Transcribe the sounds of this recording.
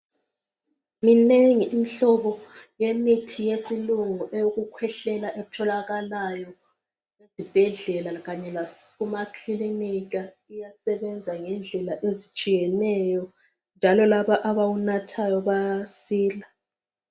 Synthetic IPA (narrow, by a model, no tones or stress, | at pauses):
mineŋiʔːm̩ɬɔβɔjemitʰijesiluŋuʔejoɣukʰwɛɬɛlaʔeɣutʰɔlaɣalajɔ | ezib̥ʱɛɮɛlaɣaɲɛlaɣumakʰliiniɣa | ijasɛβɛnd͡zʱaŋɛnd͡ɮʱɛlaʔezit͡ʃʼijɛnɛjɔ | nd͡ʒʱalɔlaβaʔaβawunatʰajɔβasiːla